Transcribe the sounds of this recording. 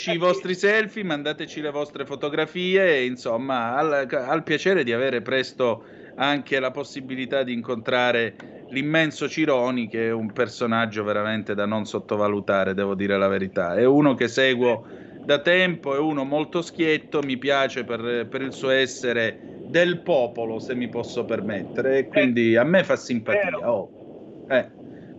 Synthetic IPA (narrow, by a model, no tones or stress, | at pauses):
t͡ʃiːvɔst̪ɾisɛlfimand̪aːt̪et͡ʃilevɔst̪ɾefot̪oɡɾafiːeinsomːaːlalpjat͡ʃɛːɾed̪iaveːɾepɾɛst̪o | aŋk̟elaposːibilit̪ad̪ːiːŋkont̪ɾaːɾe | limːɛnsot͡ʃiɾɔːnikeɛumpersonad͡ʒːoveɾament̪ed̪anonsot̪ːovalut̪aːɾed̪ɛːvod̪iːɾelaveɾit̪a̰ɛuːnok̟esɛːɡwo | d̪at̪ɛmpoɛuːnomolt̪osk̟jet̪ːomipjaːt͡ʃeperpeɾilsuːoɛsːeɾe | d̪elpɔːpolosemːipɔsːopermet̪ːeɾeːkːwind̪iamːefasːimpat̪iːaɔ | ɛ